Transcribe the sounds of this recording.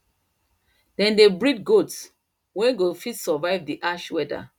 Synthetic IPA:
d̥ɛ̃ndebɹidɡots | wɛ̃nɡofitsɔvaɪvdiʔaʃwɛda̰

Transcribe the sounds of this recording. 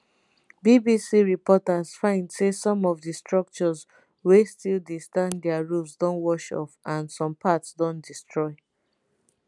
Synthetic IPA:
bibisiɹipɔtazfãɪ̃ndsesɔ̃mɔvdistɹɔk̚t͡ʃɔz | westilˠdistãndɛaɹulˠsdɔ̃nwɔʃɔ̰fãnsɔ̃mpʰatsdɔ̃ndistɹɔɪ

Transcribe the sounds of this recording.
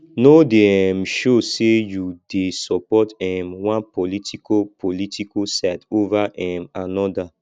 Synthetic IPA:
nodɛmʃosejudesɔpɔtɛmwãnpɔlitʰikopʰolitʰikosɛtovaʔɛmanɔda

